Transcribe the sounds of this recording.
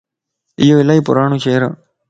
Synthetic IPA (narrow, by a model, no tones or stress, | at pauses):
ɪjoːɪlaipʊ̰ɾaːɳũːt͡ʃeːɾa̰